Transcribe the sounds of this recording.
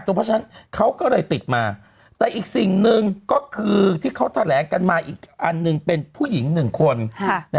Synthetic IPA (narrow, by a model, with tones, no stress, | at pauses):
t̪ːpʰɾt͡ɕʰːna˦˥nkʰa˦˥wkɔː˥˩lɤː˧jt̪i˨˩t̪̚maː˧ | t̪ɛː˨˩ʔiː˨˩k̚si˨˩ŋnɯ˨˧ŋkɔː˥˩kʰɯː˧t̪ʰiː˥˩kʰa˦˥wt̪ʰa˧lɛː˩˦ŋka˧nmaː˧ʔiː˨˩k̚ʔa˧nːɯ˨˧ŋpe˧npʰuː˥˩ji˩˦ŋnɯ˨˩ŋkʰo˧nn˦˥